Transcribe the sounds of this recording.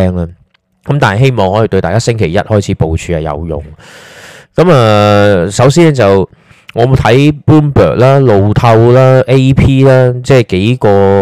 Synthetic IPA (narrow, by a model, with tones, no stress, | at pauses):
ɛː˥ŋlɐ˧ | kɐ˦mt̪aː˨nhɐ˨jɦe˥jmɔː˨ŋhɔː˨˥ji˨˩t̪ɵ˧ɥt̪aː˨jkaː˥sɪ˥ŋkʰe˨˩jɐ˥t̚hɔː˥jt͡sʰiː˨˦˥po˨˧wt͡ʃʰyː˧hɐ˨˩jɐ̰˨˧wjʊ̰˨˩ŋ | kɐ˨˥maː˨sɐ˨˥wsiː˥n˥t͡sɐ˨w | ŋɔː˨˧mo˨˧wt̪ʰɐ˨˥jpuː˥npœ̰ː˨˩k̚laː˥lo˨˧wt̪ʰɐ˧wlaː˥ʔe˥jpʰiː˥laː˥t͡sɛː˥˩ke˨˥jkɔː˧